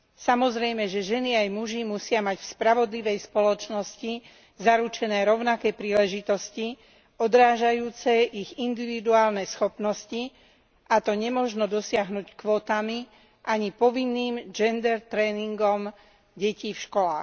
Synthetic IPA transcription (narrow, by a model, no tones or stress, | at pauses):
samɔzɾɛjmɛʒɛʒɛniajmuʒimusɪamacfspɾaʋɔd̪liʋɛjspɔlɔt͡ʃnɔsci | zaɾut͡ʃɛnɛːɾɔʊnakɛːpɾiːlɛʒit̪ɔsci | ɔd̪ɾaːʒajuːt͡sɛʔiɣind̪iʋid̪uaːlnɛsxɔpnɔsci | ʔat̪ɔɲɛmɔʒnɔd̪ɔsɪaɦnuːckʋɔːt̪ami | ʔaɲipɔʋinːiːmd͡ʒɛnd̪ɛɾt̪ɾɛːniŋɡɔm | ɟɛciːfʃkɔlaːx